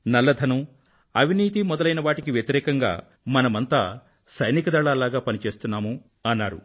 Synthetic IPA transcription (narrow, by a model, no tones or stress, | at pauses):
nɐlːɐd̪ʱɐnu | ɐʋ̤ʱiniːt̪̬imɔd̪ɐlɐjnɐʋaːʈikiʋjɐt̪iɾɛːkɐŋɡa̰ː | mɐnɐmɐnt̪aː | sɐjnikɐd̪ɐɭaːlaːɡaːpɐnit͡ʃe̞ːst̪unːaːmu | ɐnːaːɾṵ